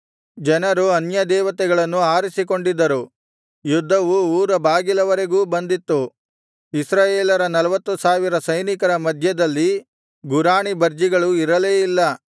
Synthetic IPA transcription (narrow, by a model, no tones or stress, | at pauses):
d͡ʒɐnɐɾuɐnjɐd̪ɛːʋɐt̪ɛɡɐɭɐnːuaːɾisiko̞ɳɖid̪ːɐɾu | jud̪ʱːɐʋuuːɾɐbʱaːɡilɐʋɐɾeɡuːbɐnd̪it̪ːu | isɾaːjeːlɐɾɐnɐlɐʋɐt̪ːusaːʋiɾɐsɐjnikɐɾɐmɐd̪ʱjɐd̪ɐlːi | ɡuɾaːɳibɐɾd͡ʒiɡɐɭuiɾɐleːilːɐ